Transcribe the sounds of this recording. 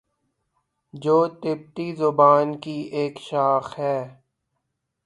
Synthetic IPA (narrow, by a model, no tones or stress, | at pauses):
d͡ʒoːt̪ɪb̚t̪izʊbaːnkieːkʃaːxɦɛː